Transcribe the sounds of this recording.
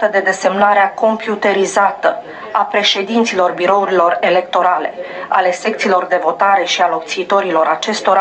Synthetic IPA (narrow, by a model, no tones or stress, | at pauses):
t̪əd̪e̞d̪e̞se̞mnaɾeako̞mpjut̪e̞ɾizat̪ə | apɾe̞ʃe̞d̪int̪silo̞rbiɾo̞uɾilo̞re̞le̞kt̪o̞ɾale̞̰a̰le̞se̞kt̪siːlo̞rd̪e̞vo̞t̪aɾe̞ʃialo̞kt̪siːt̪o̞ɾilo̞ɾat͡ʃe̞st̪o̞ɾa